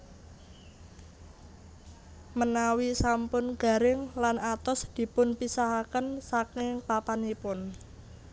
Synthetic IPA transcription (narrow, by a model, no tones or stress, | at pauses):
mənawisampʊnɡ̥a̤ɾɪŋlanat̪ɔsd̪̥i̤pʊnpisaɦakənsakɪŋpapanipʊn